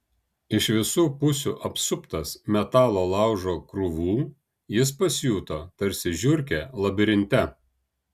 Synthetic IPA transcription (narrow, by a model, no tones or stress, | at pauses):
ɪʃʋʲɪsuːpʊsʲṵːʔɐpsʊpt̪ɐsmʲɛt̪ɑːlˠoːlˠɑˑʊʒoːkɾʊʋuː | jɪs̬pɐsʲjuːt̪ot̪ɐɾʲsʲɪʒʲʊɾʲkʲeːlˠɐbʲɪɾʲɪnʲt̪ʲɛ